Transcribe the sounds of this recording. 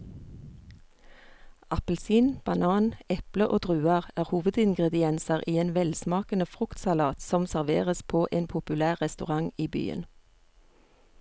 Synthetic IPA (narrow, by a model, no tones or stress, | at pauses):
ɑpəlsiːnb̥ɑnɑːnɛpləʔoːd̪ʁʉːɑʁæːʁhuːʋəd̪ɪŋɡʁɛd̪ɪɛnsɑʁʔiːeːnʋɛlsmɑːkənəfʁʉkt̪sɑlɑːt̪sɔmsæʁʋḛːʁəspʰoːʔeːnpʰʊpʉlæːʁʁɛst̪ʉʁɑŋiːby̰ːə̰n